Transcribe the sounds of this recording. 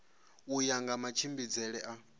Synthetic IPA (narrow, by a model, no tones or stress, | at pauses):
ujaŋɡamat͡ʃʰimbid͡zɛɺɛʔa